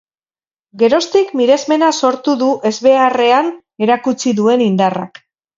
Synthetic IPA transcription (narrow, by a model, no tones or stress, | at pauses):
ɡe̞ɾo̞st̪ikmiɾe̞zme̞naso̞ɾt̪uðuʔe̞zβe̞are̞an | e̞ɾakut͡siðue̞nind̪ara̰k